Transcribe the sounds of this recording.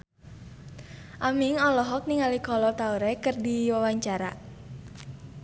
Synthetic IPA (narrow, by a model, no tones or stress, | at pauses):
ʔamɪŋɔlɔɦɔk̚niŋalikɔlɔt̪auɾɛkərdiwawaɲt͡ʃaɾa̰